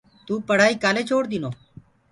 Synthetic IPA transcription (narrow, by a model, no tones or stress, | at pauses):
t̪uːpəɽ̤aːiːkaːleːt͡ʃʰoːɽd̪ɪnoː